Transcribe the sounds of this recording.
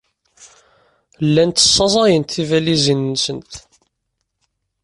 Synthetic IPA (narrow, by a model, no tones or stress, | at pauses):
lːænt̪ːə̥sˤːɑzˤɑjənt̪ːivælizinːsənt̪